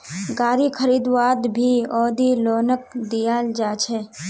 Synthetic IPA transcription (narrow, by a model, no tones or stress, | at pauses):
ɡaːɾikʰəɾiːd̪ʋaːd̪bʱiɔːd̪iloːnək̚d̪ijaːld͡ʒaːt͡ʃʰɛː